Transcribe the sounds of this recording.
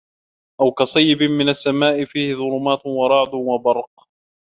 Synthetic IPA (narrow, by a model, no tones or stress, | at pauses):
ʔawkɑsˤɑjːɪbɪmɪnasːamaːʔɪfiːhɪðˤʊlʊmaːt̪wɑɾˤɑʕd̪ʊnwabɑɾˤq̚